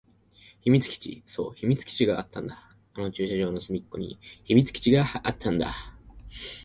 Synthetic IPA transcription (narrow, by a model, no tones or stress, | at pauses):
çimʲit͡sɨ̥kʲi̥t͡ɕḭso̞ːçimʲit͡sɨ̥kʲi̥t͡ɕiɡaat̪ːãnd̪a | ano̞t͡ɕɨːɕaʑo̞ːno̞sɨmʲikːo̞̰ɲ̟ḭçimʲit͡sɨ̥kʲt͡ɕiɡaʔat̪ʰːãnd̪a̰